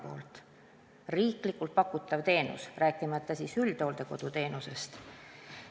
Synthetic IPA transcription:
o̞̰ːlt̪ˑ | riːklikːˑult̪̚pɑkːˑut̪ːˑɑvt̪e̞ːnṵsræːkːˑimɑt̪ˑːɑsiːsyld̪̥o̞ːld̪̥e̞ko̞d̪̥ut̪e̞ːnuse̞st̪

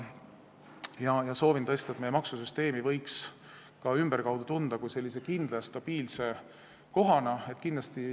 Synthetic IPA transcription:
jɑjɑso̞ːvint̪ɤ̞est̪ɑet̪me̞jemɑksusyst̪e̞ːmivɤ̞jks | kɑymb̥erkɑwd̪̥ut̪und̪ɑkujse̞lːise̞kind̪̥lɑst̪ɑb̥iːlse̞ | ko̞ɦɑnɑe̞t̪ːˑkind̪lɑst̪i

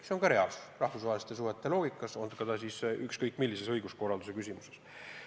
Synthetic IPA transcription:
seonkɑɾe̞ɑlsu̥srɑhfusvɑːelist̪e̞s̬uhet̪ːˑe̞lo̞ːɡ̥ikːˑɑso̞nd̪kɑt̪ɑsisykskɤjkːˑmilːise̞sɤ̞jɡusko̞rɑld̪use̞kysʲimuses

